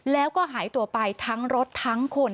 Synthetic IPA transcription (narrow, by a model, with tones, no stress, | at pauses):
lɛː˦˥wkɔː˥˩ɦaː˩˦jt̪u˧ɐpa˧jt̪ʰa˦˥ŋɾo˦˥tt̪ʰːa˦˥ŋkʰo˧n